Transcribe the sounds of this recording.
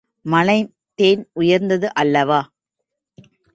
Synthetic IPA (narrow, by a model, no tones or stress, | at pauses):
mɐnɐɪ | t̪eːnʊjɐɾnd̪ɐðɯʔɐlːɐʋaː